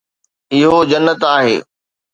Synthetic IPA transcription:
ɪɦod͡ʑɐnːət̪aːɦḛː

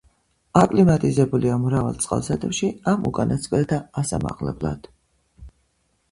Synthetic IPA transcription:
akʼlimat̪ʼizɛbuliamɾava̰lˠt̪sʼqʼa̰lˠsat̪ʰʼɛpʃiamukʼanat̪skʼlɛt̪ʰaːsa̰ma̰qlɛ̰bla̰d̪̥

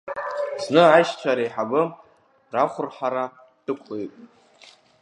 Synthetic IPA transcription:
znɨaʃt͡ɕʷʰaɾejħabɨ | raχʷʊrħaɾa | d̥ɨkʷʰlejpʼ

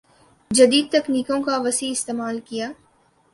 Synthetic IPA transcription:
d͡ʒɐd̪iːd̪̚t̪ɐkniːkõkaʋɐsiɪst̪eːmaːlkijaː

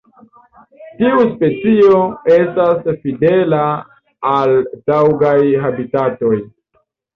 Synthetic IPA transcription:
tiuspe̞t͡sio̞e̞stasfide̞laː | ld̥awɡajɦabitato̞j

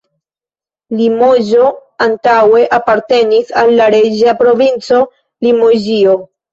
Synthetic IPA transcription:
limuʒo̞antawe̞ʔapaɾte̞nisalːaɾed͡ʒiapɾo̞vint͡so̞ | limuʒio̞

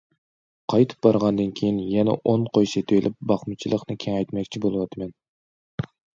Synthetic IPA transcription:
qʰɑjt̪ʰɨ̥p̚bɑɾʁɑnd̪ɨnkʲʰejinjɛnɛ̰ʔonqʰojʃɛt̪ʰøjlʔɪp̚bɑχmɨt͡ʃʰilˠəqnɨkʲʰeŋɛjt̪mɛkʲt͡ʃʰibolˠɨwɑt̪ʰɨmɛn

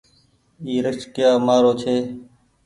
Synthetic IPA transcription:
iːɾət͡ʃkjaːmaːɾoːt͡ʃʰeː

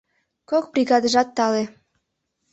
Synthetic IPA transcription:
kok̚brʲiɣɑd̪əʒɑt̪ːɑle

